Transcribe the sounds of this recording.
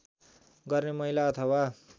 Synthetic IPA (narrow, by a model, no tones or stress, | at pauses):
ɡʌrnemʌɦilaʌt̪ʰʌwa